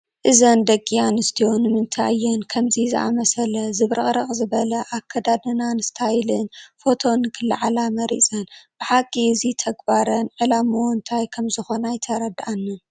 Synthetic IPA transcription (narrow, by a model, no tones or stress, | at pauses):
ʔɨzɐnd̪ɐkʼːijanɨst̪ʰijonɨmɨnt̪ʰajːɛnkʰɐmzizɨ̰ʔa̰mɐsɐlɐzɨβɾʔɨχʼɾɐχʼzɨβɐlɐʔakʰːɐd̪ad̪ɨnanɨst̪ʰajlɨnfo̞t̪ʰo̞nɨkʰɨlːa̰ʕalamɐɾḭt͡sʼɐnb̥ɨħakʼːiɨzit̪ʰɐɡbaɾɐnʕɨlamuwnt̪ʰajkʰɐmzɨxo̞najt̪ʰɐɾɐd̪ʔanːɨn